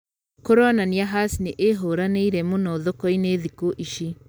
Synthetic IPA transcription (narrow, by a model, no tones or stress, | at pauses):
koɾɔnaniaɦasneʔeɦoɾaneiɾɛmonɔðokɔineðikoʔiʃi